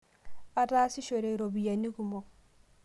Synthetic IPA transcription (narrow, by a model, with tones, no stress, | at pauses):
a˨ɾa˦si˦ʃo˨ɾe˨ɾo˨bi˨ja˨ni˦ɡu˨mo˨